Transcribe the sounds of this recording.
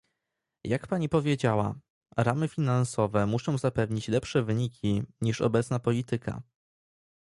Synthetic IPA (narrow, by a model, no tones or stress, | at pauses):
jakpaɲipɔvʲjed͡ʑawa̰ | ɾamɘfʲinansɔvɛmuʂɔ̃w̃zapɛvɲit͡ɕlɛpʂɛvɘɲikʲʰiɲiʂɔ̰bɛt̪snapɔlʲit̪ɘka̰